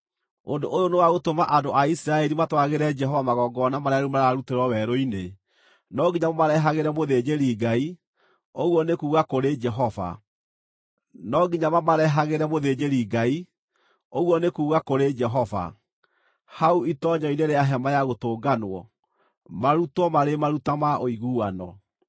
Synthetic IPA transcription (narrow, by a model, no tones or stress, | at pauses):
ondoʔojonewaɣotomaʔandoaisiɾaɛɾimatwaɣeɾɛd͡ʒɛɦɔvamaɣɔːɡɔnamaɾeaɾumaɾaaɾuteɾwɔwɛɾoine | nɔɡiɲamomaɾɛɦaɣeɾɛmoðed͡ʑeɾiɡai | oɣwɔnekuːɣakoɾed͡ʒɛɦɔva̰ | nɔɡiɲamamaɾɛɦaɣeɾɛmoðed͡ʒeɾiɡai | oɣwɔnekuːɣakoɾed͡ʒɛɦɔva̰ | hauitɔɲɔineɾeaɦɛmajaɣotoːɡanwɔ̰ | maɾutɔmaɾemaɾutamaoiɣuːanɔ